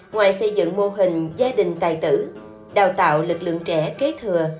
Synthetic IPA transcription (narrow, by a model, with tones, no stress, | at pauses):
ŋwaː˨˩jsə˧jzɨ̰˧˨ŋmo˧ɦï˨˩ŋ̟zaː˧ɗï˨˩ŋ̟t̪aː˨˩jt̪ɨ̰˧˩ | ɗaː˨˩wt̪a̰ː˧˨wlɨ˨˩k̚lɨ̰˧˨əŋt͡ɕɛ˧˩˥ke˨˦˥t̪ʰɨ˨˩ə